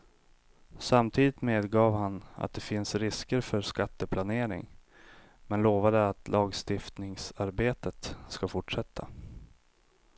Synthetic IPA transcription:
samt̪ʰiːd̪ɪt̪meːd̪ɡɑːvhana̰t̪̚d̪ɛfɪnsɾɪskəɾfœɾskat̪ːəpʰlaneːɾɪ̰ŋ | mɛnloːvad̪əat̪lʔɑːɡst̪ɪft̪nɪŋsaɾbeːt̪ət̪skafʊʈʂɛt̪ʰːa

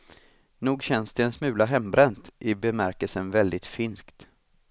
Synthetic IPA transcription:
nuːɡɕɛnsd̪ɛɛnsmʉ̟ːlaɦɛmbɾɛnt̪ʔɪbɛmæɾkəlsənvɛld̪ɪt̪fɪnskt̪

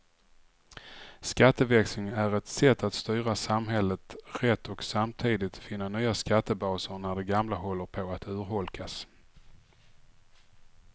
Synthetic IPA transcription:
skat̪ːəvɛksɪŋæɾɛt̪sɛt̪ːat̪st̪yːɾasamɦɛlːət̪ɾɛt̪ːɔksamt̪ʰiːd̪ɪt̪fɪnːanyːaskat̪ːəbɑːsəɾnæɖɛɡamlaɦɔlːəɾpʰoat̪ʉ̟ːɾhɔlkʰas

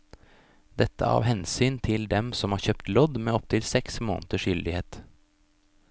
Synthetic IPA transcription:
d̪ɛt̪ə̰ɑ̰ːʋhɛnsyːnt̪ʰɪld̪ɛmsɔmhɑːɾçøːpt̪lɔd̪meːɔp̚t̪ʰɪlsɛksmo̰ːnət̪əʃjʏld̪ɪheːt̪

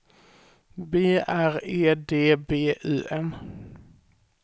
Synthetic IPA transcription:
beːʔæɾeːd̪eːbeːʔʉ̟ːʔɛm

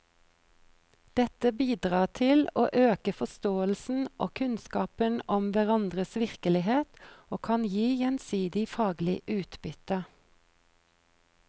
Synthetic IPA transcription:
d̪̥ɛt̪əbiːd̪ʁɑːʁt̪ʰɪlo̰ːʔøːkəfɔst̪oːəlsn̩ʔo̰ːkʰʉnskɑːpənɔmʋæʁɑnd̪ʁəsʋɪʁkəlɪheːt̪oːkʰɑnjiːjɛnsiːd̪ɪfɑːɡlɪʔʉːt̪bʏt̪ə

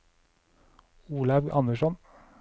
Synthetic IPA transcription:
uːlɑʋʔɑ̰nəʃɔn

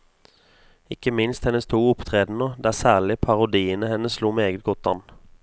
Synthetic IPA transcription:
ɪkəmɪnst̪hɛnəst̪ʰuːʊpt̪ʰʁeːd̪n̩ɔd̪æːʁsæːʁlɪpʰɑʁʊd̪iːənəhɛnːəssluːmɛeːɡət̪̚ɡɔt̪̚d̪ɑn

